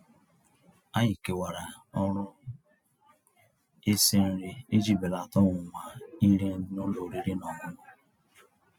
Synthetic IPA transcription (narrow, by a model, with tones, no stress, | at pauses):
a˦ɲi˨ke˨wa˨ɾa˨ | ɔ˦ɾʊ˦ | e˦se˦n̩˦ɾɪ˦i˦d͡ʒi˦˨be˨la˨tɔ˦wʊ˨ŋʷa˨i˦ɾe˦no˦lo˨ɾi˦ɾi˦nɔ˨mʊ˦nʊ˦